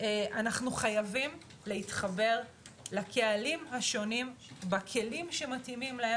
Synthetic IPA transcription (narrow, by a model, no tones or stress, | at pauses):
eʔanaχnuχajavim | le̞hitχabe̞ʁ | lakʰe̞alimɦaʃo̞nim | bakʰe̞limʃe̞matimimlae